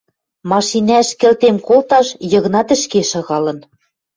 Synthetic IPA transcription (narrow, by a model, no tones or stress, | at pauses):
mɑʃinæʃkɘ̆lt̪emkolt̪ɑʃjɤ̆ɣ̆nɑt̪ɘ̆ʃkeʃɤ̆ɣɑlɤ̆n